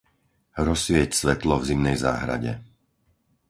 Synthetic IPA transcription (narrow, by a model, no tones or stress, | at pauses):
ɾɔsʋɪɛcsʋɛt̪lɔvzimnɛjza̰ːɦɾa̰ɟɛ̰